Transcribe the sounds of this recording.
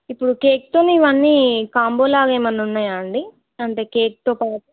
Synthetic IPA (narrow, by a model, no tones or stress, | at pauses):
ipːuɽuke̞ːk̚t̪oːneiʋɐnːiːkaːmbo̞ːlaːɡeːmɐnunːaːjaɳɖi | ɐɳʈe̞ːkeːk̚t̪o̞ːpaːʈu